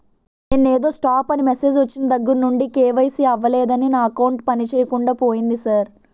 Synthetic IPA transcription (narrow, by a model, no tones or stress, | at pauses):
neːnːeːd̪o̞ːsʈaːpɐnimese̞ːd͡ʒʋɐt͡ʃːinɐd̪ɐɡːuɾnuɳɖikeːʋɐjsiɐʋːɐlɛːd̪ɐninaːɐkɐwɳʈpɐnit͡ʃɛːjɐkuɳɖaːpoːjind̪isɐɾ